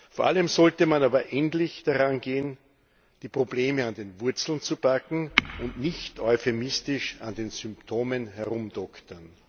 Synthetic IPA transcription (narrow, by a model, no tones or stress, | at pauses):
foːɐʔaləmzɔltəmanaːbɐʔɛntlɪçd̥aʁanɡeːən | d̥iːpʁ̥obleːməandeːnvʊɐt͡sl̩nt͡sub̥akŋ̩ʊntnɪçtʰɔʏfemɪstɪʃandeːnzʏmptʰoːmənɦɛɐʁʊmdɔktɐn